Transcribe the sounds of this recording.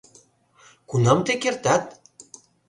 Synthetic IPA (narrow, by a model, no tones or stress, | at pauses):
kunɑmt̪ekert̪ɑt̪̚